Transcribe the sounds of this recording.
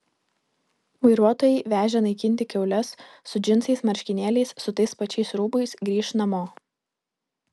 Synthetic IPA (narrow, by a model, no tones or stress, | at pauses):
ʋɐɪɾuɔt̪oːjɛɪʋʲæːʒʲɛnɐɪkʲɪnʲt̪ʲɪkʲɛʊlʲɛsːʊd͡ʒʲɪnsɐɪsmɐɾʲʃʲkʲɪnʲeːlʲɛɪssʊt̪ɐɪspɐt͡ʃʲɛɪsɾuːbɐɪsɡɾʲiːʃnɐmoː